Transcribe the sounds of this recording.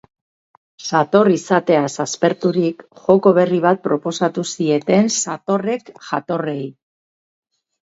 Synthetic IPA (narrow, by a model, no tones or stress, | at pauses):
sat̪o̞risat̪e̞asaspe̞ɾt̪uɾikʝo̞ko̞β̞e̞riβ̞at̪̚pɾo̞po̞sat̪usie̞t̪e̞nsat̪o̞re̞kʝat̪o̞re̞j